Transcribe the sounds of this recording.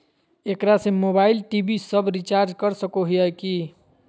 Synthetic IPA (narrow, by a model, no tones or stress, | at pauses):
ekɾasẽmobailʈibisəbʱɾit͡ʃaɾd͡ʒkəɾsəkoɦijəjki